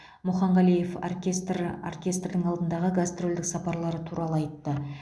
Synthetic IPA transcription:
mʊχɑɴʁɑlije̞fo̰rkʲest̪ro̰rkʲe̞st̪rd̪ɪŋɑlˠd̪ənd̪ɑʁəɡast̪ro̞ld̪ɪksɑpɑɾlˠɑɾət̪ʰuɾɑlˠəɑjt̪ːə

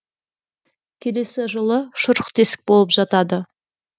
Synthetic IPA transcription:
kʲʰe̞le̞sɪʒəlˠəʃʊɾəqt̪ʰe̞sɪ̥k̚bo̞lˠəpʒɑt̪ɑd̪ə

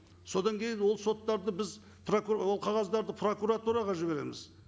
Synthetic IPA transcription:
so̞d̪ɑŋkʲʰe̞jɪnwo̞lˠso̞t̪ːɑɾd̪əbɪz | pʰrokuwolˠqʰɑʁɑzd̪ɑɾd̪əpʰro̞kuɾat̪uɾɑʁɑʒɪβe̞ɾḛmɪ̰z

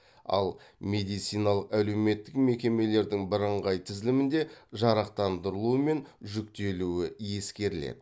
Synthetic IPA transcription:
ɑ̰lˠmʲe̞d̪ijt̪sijnɑlˠəqæle̞wme̞t̪ːɪkme̞kʲe̞me̞le̞ɾd̪ɪŋbɪɾəɴʁɑjt̪ʰɪzlɪmɪnd̪e̞ʒɑɾɑq̚t̪ɑnd̪əɾəlˠuəme̞nʒʏkt̪e̞luɪje̞skʲe̞ɾɪlḛd̪ɪ

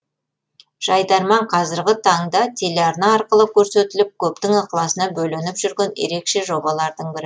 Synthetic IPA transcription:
ʒ̥ɑjd̪ɑɾmɑɴqʰɑzɪɾɡʲɪt̪ʰɑɴd̪ɑt̪ʲʰe̞leɑɾnɑːɾqəlˠəkʲʰɵɾse̞t̪ɪlɪp̚kʲʰɵp̚t̪ɪŋɑqəlˠɑsənɑbɵlenɪpʒ̥ʏɾɡʲe̞njḛɾe̞kʃe̞ʒo̞bɑlˠɑɾd̪əɴbɪɾɪ

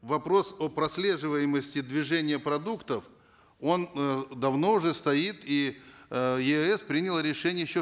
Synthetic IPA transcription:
vɐpɾo̞sopɾɐsʲlʲe̞ʐɨvəjɪməsʲtʲɪd̪vʲɪʐɛnʲɪjəpɾɐd̪ukt̪əf | o̞nd̪ɐvno̞ʊʐɛst̪ɐit̪i | jɪɛspɾʲinʲɪlˠɾʲɪʂɛnʲɪjəjɪɕːo

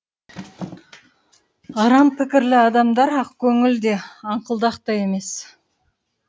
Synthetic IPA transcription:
ɑɾɑmpʰɪkʲɪɾlɪɑd̪ɑmd̪ɑɾɑqkʲʰɵŋɪld̪e̞ɑɴqəlˠd̪ɑqt̪ɑje̞me̞s

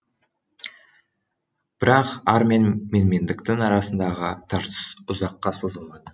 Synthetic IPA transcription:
b̥ɪɾɑqɑɾme̞nme̞nme̞nd̪ɪkt̪ɪŋɑɾɑsənd̪ɑʁə̰t̪ʰɑɾt̪ə̥sʊzɑqːɑsozəlˠmɑd̪ə

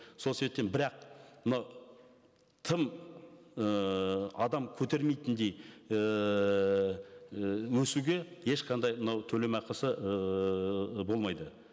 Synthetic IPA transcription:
soseep̚t̪enbɪɾɑq̚mənɑw | t̪ʰəm | əɑd̪ɑmkʲʰɵt̪e̞ɾme̞jt̪ɪnd̪e̞jə | wɵsuɡʲe̞je̞ʃqʰɑnd̪ɑjmənɑwt̪ʰɵle̞mɑqəsə | bo̞lˠmɑjd̪ə

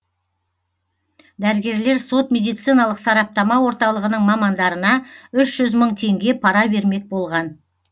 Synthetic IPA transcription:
d̪æɾɪɡʲe̞ɾle̞ɾso̞t̪mʲe̞d̪ijt̪sɨjnɑlˠəqsɑɾɑp̚t̪ɑmɑwo̞ɾt̪ɑlˠəʁənəɴmɑmɑnd̪ɑɾənɑʏʃʒ̥ʏzməɴt̪ʰe̞ŋɡʲe̞pʰɑɾɑbe̞ɾme̞k̚bo̞lˠʁɑn

